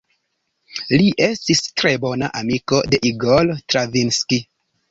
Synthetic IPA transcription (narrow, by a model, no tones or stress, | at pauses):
liʔe̞stistɾe̞bo̞naʔamiko̞de̞ʔiɡoltɾavinski